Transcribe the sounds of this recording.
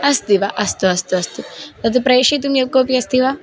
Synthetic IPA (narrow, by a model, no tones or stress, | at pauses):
ɐst̪iʋaʔɐst̪uɐst̪uɐst̪ut̪ɐt̪upɾɐjʃit̪umjɐkoːpiɐst̪iʋa